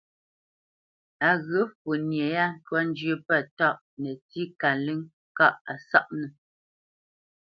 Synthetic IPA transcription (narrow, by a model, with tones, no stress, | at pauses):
a˨ɣə˨˦fə˨njɛ˨ja˦n̩˦twa˦n̩˦d͡ʒɥə˦pə˦tɔ˦˨ʔ | nɛ˨ti˦ka˨li˦ŋ | ka˦˨ʔa˨sa˦ʔnɛ˨